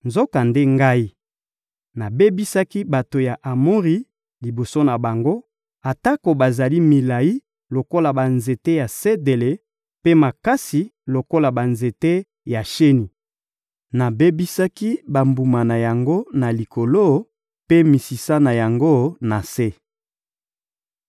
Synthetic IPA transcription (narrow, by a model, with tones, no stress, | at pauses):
nzo˦ka˨nde˦ŋɡa˦i˦ | na˨be˦bi˦sa˦ki˦ba˨to˨ja˨ʔa˨mo˦ʁi˦ | li˨bo˨so˦na˨ba˨ŋɡo˦ | a˨ta˦ko˨ba˨za˨li˦mi˨la˨i˦ | lo˨ko˦la˨ba˨nze˨te˦ja˨se˦de˨le˨ | pe˦ma˨ka˦si˨lo˨ko˦la˨ba˨nze˨te˦ | ja˨ʃe˦ni˨ | na˨be˦bi˦sa˦ki˦ba˨mbu˨ma˨na˨ja˨ŋɡo˦na˨li˨ko˨lo˦ | pe˦mi˨si˨sa˦na˨ja˨ŋɡo˦na˨se˦